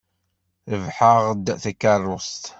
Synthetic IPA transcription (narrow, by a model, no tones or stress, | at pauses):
əvħaʁd̪θækːərˤːʊst̪